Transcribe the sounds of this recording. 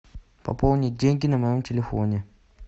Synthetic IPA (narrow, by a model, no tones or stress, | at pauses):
pɐ̰polˠnʲɪdʲeŋʲɡʲinɐmɐjomtʲɪlʲɪfo̰nʲe